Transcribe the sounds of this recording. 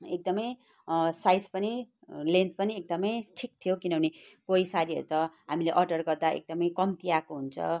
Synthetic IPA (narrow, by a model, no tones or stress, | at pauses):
ek̚d̪ʌmʌj | sajspʌni | lẽnt̪pʌniek̚d̪ʌmʌjʈʰik̚t̪ʰijokinʌbʱʌnekoisaɾiʌ̰ɾut̪ʌɦamileʔʌrɖʌrɡʌrd̪aḛk̚d̪ʌmʌjkʌmt̪iakoɦunt͡sʰʌ̰